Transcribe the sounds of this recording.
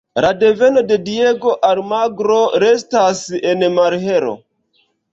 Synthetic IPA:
lade̞ve̞no̞de̞dieɡo̞ʔaɾmaɡɾo̞ɾestasenmaɾɦeɾo̰

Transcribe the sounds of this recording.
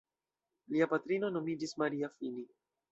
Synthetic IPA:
liapatɾino̞no̞mid͡ʒismaɾiafini

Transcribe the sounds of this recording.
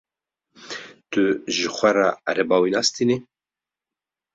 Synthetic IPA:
t̪ɨʒɨxʷɛɾɑɾɛbɑːwinɑːst̪ini

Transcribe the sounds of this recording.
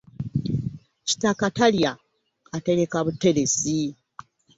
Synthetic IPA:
ci̥takataljaː | te̞ɾe̞kaβutːe̞ɾe̞si

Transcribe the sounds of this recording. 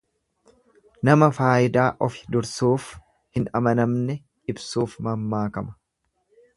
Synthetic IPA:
nɐmɐfaːʔɪd̪aːʔɔfɪ̥d̪ʊɾsuːf | hɪnɐmɐnɐmnɛ | ɪbsuːfmɐmːaːkɐmɐ̥

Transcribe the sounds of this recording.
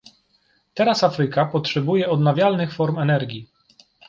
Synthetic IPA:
t̪ɛɾasafɾɘkapɔtʂɛbujɛɔd̪navʲjalnɘxfɔɾmɛnɛɾɡʲi

